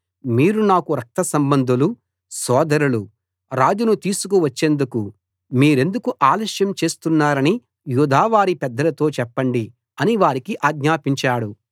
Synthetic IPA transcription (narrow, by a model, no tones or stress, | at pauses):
miːɾunaːkuɾɐk̚t̪ɐsɐmbɐnd̪ʱulu | sɔːd̪ɐɾulu | ɾaːd͡ʒunut̪iːsukuʋɐt͡ʃːe̞ːnd̪uku | miːɾe̞nd̪ukuʔaːlɐʃjɐmt͡ʃe̞ːst̪unːaːɾɐni | juːd̪ʱaːʋaːɾipɛd̪ːɐlɐt̪o̞ːt͡ʃɛpːɐɳɖi | ɐniʋaːɾikiʔaːɡɲaːpiɲt͡ʃaːɽu